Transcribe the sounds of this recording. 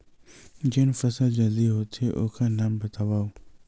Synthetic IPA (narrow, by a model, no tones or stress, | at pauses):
d͡ʒɪnfɐsəld͡ʑɐld̪iɦoːt̪ʰeʔʊ̰kʰãːnaːmbɐt̪aʋaːoː